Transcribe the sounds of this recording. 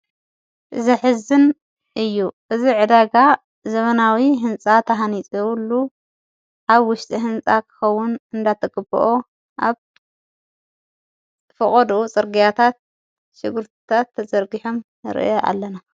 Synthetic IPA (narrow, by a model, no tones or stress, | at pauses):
ʔɨzɐħɨzɨn | ʔɨjːuʔɨziʕɨd̪aɡa | zɐβɐnawiɦɨnt͡sʼat̪ʰɐɦanit͡sʼwulːu | ʔaβwʊʃt̪ʼiɦɨnt͡sʼakʰɨ̥xɐwːʊnɨnd̪at̪ʰɐɡʼɨbɨ̰ʔo | ʔaβ | fɨχʼɔd̪ut͡sʼɨɾɡijat̪ʰat̪̚ | ʃɪɡɨɾt̪ʰɨ̥t̪ʰat̪ʰːɐzʼɐɾɡiħom | ɨɾɨ̰joʔa̰lːɐna